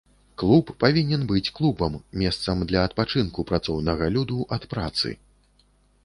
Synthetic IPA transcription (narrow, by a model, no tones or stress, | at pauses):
klˠupːavʲinʲɛnbɨt͡sʲklˠubɐmːʲɛst̪sɐmd̪lʲɐːt̪̚pat͡ʂɨnkupɾat̪sɔwnɐɣɐlʲud̪uʔɐt̪pɾat̪sɨ̰